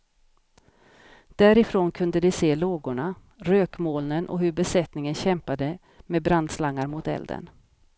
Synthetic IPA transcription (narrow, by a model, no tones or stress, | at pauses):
d̪̥æɾɪfɾoːnkʰɵnd̪əd̪ɪseːloːɡʊɳa | ɾøːkmoːlnənʔɔ̰ɦɵɾbɛsɛt̪nɪŋənɕɛmpad̪ə | meːbɾand̪slaŋːaɾmʊt̪ɛ̰ld̪ə̰n